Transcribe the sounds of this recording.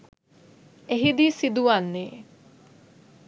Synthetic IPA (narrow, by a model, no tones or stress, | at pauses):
eɦid̪isid̪uʋanːeː